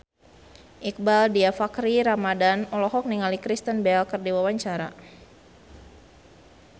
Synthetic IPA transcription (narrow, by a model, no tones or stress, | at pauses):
ʔik̚baldiafakɾiɾamadanɔlɔɦɔk̚niŋalikɾist̪ənbɛlkərdiwawaɲt͡ʃaɾa̰